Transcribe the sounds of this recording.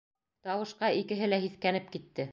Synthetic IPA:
t̪ɑwɤ̆ʃqɑikɘ̆ɦɘlæɦiθkænɘp̚kit̪ːɘ

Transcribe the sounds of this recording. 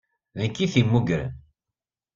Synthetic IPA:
ðənkːiθimːuɡɾə̰n

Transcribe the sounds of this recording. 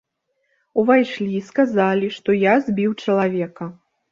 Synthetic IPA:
uvajʂlʲiskazalʲiʂt̪ɔjazʲbʲiwt͡ʂɐlˠavʲɛkɐ

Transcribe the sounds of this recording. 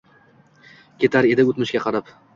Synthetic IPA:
kʲʰe̞t̪ʰaɾe̞d̪ɪʊt̪mɪʃkʲaqʰɑɾap

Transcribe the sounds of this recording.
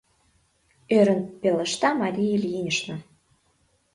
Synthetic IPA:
øɾə̆npelə̆ʃt̪ɑmɑɾʲijelʲjinʲəʃno

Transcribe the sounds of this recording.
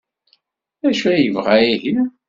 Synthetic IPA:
æʃuæjəvʁajihi

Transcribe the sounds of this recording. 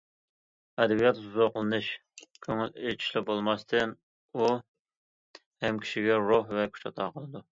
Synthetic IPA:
ɛd̪ɛbijɑt̪uzɑqəlˠɨnɨʃkʲʰøŋylet͡ʃʰi̥ʃlɪbolˠmɑst̪ʰɨn | u | hɛmkʲʰi̥ʃiɡʲɛɾohvɛkʲʰy̥t͡ʃʰɑt̪ʰɑːqʰəlˠɨd̪u

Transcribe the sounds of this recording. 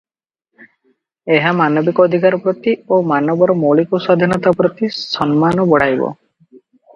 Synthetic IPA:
eɦamanɔbikɔːd̪ʱikaɾɔpɾɔt̪iomanɔbɔɾɔmolikusad̪ʱinɔt̪apɾɔt̪isɔnmanɔbɔɽ̤ajbɔ̰

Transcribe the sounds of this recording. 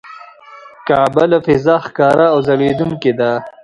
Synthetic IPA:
kaːbalafɪzaxkɑːɾaːwzɐɽed̪uŋked̪a

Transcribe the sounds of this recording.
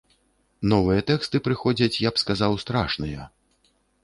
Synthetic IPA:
nɔvɨjɐt̪ɛkst̪ɨpɾɨxɔd͡zʲɐt͡sʲjapskazawst̪ɾaʂnɨjɐ

